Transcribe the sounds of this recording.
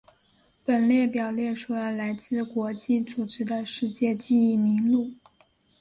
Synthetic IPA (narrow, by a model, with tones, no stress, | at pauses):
pə˨˩nljɛ˥˩pjɑ˨˩ʊljɛ˥˩ʈ͡ʂʰu˥˩lə˧˩la˧˥ɪt͡sɹ̩˥˩kwɔ˧˥t͡ɕi˥˩t͡su˨˩ʈ͡ʂ̩˧˥d̪ə˧ʂɻ̩˥˧t͡ɕjɛ˥˧t͡ɕi˥˧i˥˩mi˧˥ŋlu˥˩